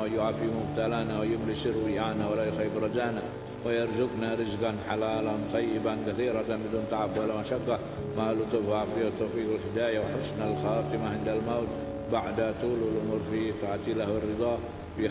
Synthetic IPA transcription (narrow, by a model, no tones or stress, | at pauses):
jʊʕaːfimʊmt̪alaːnawɪjʊmlɪsɪɾwɪʔaːnawalajʊxajːɪbɾˤɑd̪aːna | wɪjɑɾˤzʊɡnaɾɪzɡanħalaːlant̪ˤɑjːɪbankaθiːɾˤɑbɪd̪uːnt̪ˤɑʕabwalːamaʃaɡːa | malʊt̪ˤːʊfhafiːhat̪ˤːɑwfiːɡɪlhɪd̪aːjawɪħʊsnalxɑːt̪ˤɨmaʕɪnd̪almawt̪ | baʕd̪at̪ˤuːlɪlʔʊmʊɾfiːt̪aʕt̪ˤiːlahwɪrːɨd̪ˤɑː | w